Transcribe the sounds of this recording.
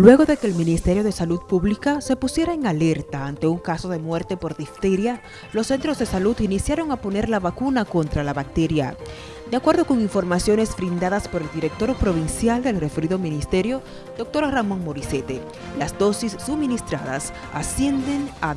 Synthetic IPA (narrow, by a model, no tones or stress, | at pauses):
lwe̞ɣo̞ðe̞keːlminist̪e̞ɾjo̞ðe̞salud̪̚puβlikase̞pusje̞ɾaeŋale̞ɾt̪aant̪e̞uŋkaso̞ðe̞mwe̞ɾt̪e̞po̞ɾðift̪e̞ɾja | lo̞sːe̞nt̪ɾo̞zðe̞salud̪inisjaɾo̞ŋapo̞ne̞ɾlaβakunako̞nt̪ɾalaβak̚t̪e̞ɾja̰ | d̪akwe̞ɾðo̞ko̞ŋiɱfo̞ɾmasjo̞ne̞sfɾind̪aðaspo̞ɾe̞ld̪iɾe̞k̚t̪o̞ɾpɾo̞β̞insjald̪elre̞fe̞ɾiðominist̪e̞ɾjo̞ | d̪o̞k̚t̪o̞ɾramo̞ŋmo̞ɾise̞t̪e̞ | lazd̪o̞sisːubminist̪ɾaða̰s | asje̞nd̪e̞ŋa